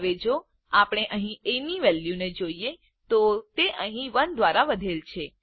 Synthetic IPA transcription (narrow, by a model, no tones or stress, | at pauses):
ʋed͡ʒo | apɽ̃eʔəɦĩeniʋɛljuned͡ʒoie | t̪ot̪eʔəɦĩʋənd̪ʋaɾaʋəd̪ʱelt͡ʃʰe